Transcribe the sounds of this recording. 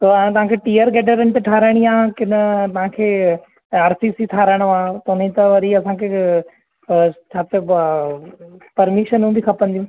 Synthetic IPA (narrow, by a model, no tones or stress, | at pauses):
t̪õt̪ɐʋ̤ãːkʰeːʈiːəɾɡɛːɖəɾənt̪eʈʰaːɾəɽ̃iãːkɪnt̪ɐʋ̤ãkʰeː | aːɾsisiʈʰaːɾəɽ̃ʋãːt̪ɐnəĩt̪ɐʋɐɾiɐsãːkʰeː | t͡ʃʰaːt̪e | pɐɾmɪʃənũbʱikʰɐpə̃nd̪ijũː